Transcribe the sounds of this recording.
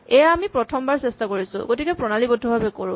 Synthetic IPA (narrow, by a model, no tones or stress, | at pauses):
ɛjaːmipɹɔtʰɔmbaɹsɛstakoɹisʊ̰̃ɡotikɛpɹɔnalibɔdʱːɔbʱabɛkoɹʊ̃